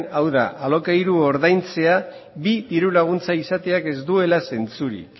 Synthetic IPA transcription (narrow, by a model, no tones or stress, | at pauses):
awða̰ʔalo̞kajɾuo̞ɾðajnt͡se̞a | βid̪iɾulaɣ̞unt͡saisat̪e̞ake̞zd̪ue̞lase̞nt͡suɾḭk